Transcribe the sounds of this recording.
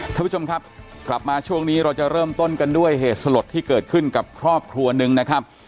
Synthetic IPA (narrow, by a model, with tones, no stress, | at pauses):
kʰaː˥˩mpʰu˥t͡ɕo˧mkʰa˦˥p̚kla˨˩p̚maː˧t͡ɕʰu˥˩əŋniː˦˥ɾa˧wt͡ɕa˨˩ɾɤː˥˩mt̪o˥˩nka˧ndu˥˩əjɦeː˨˩t̪̚sa˧lo˨˩t̪ʰːiː˥˩kɤː˨˩t̪̚kʰɯ˥˩nka˨˩p̚kʰɾɔː˥˩p̚kʰɾu˧ɐnɯ˧ŋna˦˥kʰa˦˥p̚